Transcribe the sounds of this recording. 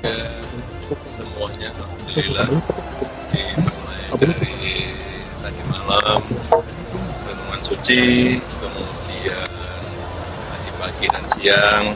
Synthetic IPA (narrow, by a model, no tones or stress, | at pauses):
ja | səmuaɲakamudilila | dimolajdaɾi | t̪aɡimalam | kanuŋansut͡ʃikəmusia | n | paɡipaɡidansijaŋ